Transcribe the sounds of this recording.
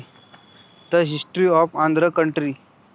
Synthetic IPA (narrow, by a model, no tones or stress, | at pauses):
t̪əɦisʈɾiɔfãnd̪ʱɾəkəɳʈɾiː